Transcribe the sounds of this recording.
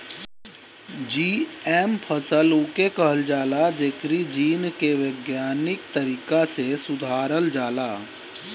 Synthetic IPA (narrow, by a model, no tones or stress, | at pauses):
d͡ʒiːeːmpʰəsəluːkekəɦəld͡ʒaːlad͡ʒeːkɾid͡ʒiːnkeʋeːɡjaːnɪkt̪əɾiːkasesʊd̪ʱaːɾəld͡ʒaːlaː